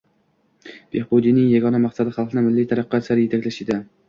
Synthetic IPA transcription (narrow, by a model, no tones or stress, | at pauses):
b̥ehbod̪ijnɪŋjaɡɒnamɑqsad̪ɪχɑlˠqʰɨnɪmɪlːijt̪ʰaɾaqːɑt͡ʃlaɾɪjet̪ʰakʲlaʃɪd̪ɪ